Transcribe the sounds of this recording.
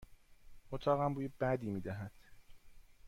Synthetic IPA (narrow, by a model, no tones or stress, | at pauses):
ot̪ʰɒːɣæmbuːjebæd̪iːmiːd̪æɦæd̪̥